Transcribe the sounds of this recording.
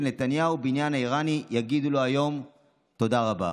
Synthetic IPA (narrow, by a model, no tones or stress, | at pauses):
lne̞t̪anjaubinjanaiʁanijaɡid̪ulo̞ajo̞m | t̪o̞d̪aʁaba̰